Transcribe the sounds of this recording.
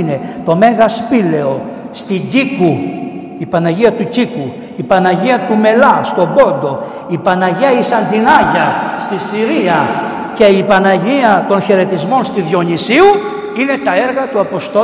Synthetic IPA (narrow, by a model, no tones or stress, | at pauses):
ne̞t̪o̞me̞ɣɐspile̞o̞ | st̪iɲɟiku | ipɐnɐʝiɐt̪uciku | ipɐnɐʝiɐt̪ume̞lɐst̪o̞bo̞nd̪o̞ | ipɐnɐʝiɐisɐnd̪inɐʝɐst̪isiɾiɐ | ce̞ipɐnɐʝiɐt̪o̞nçe̞ɾe̞t̪izmo̞nst̪iðjo̞ɲisiu | ine̞t̪ɐe̞ɾɣɐt̪uɐpo̞st̪o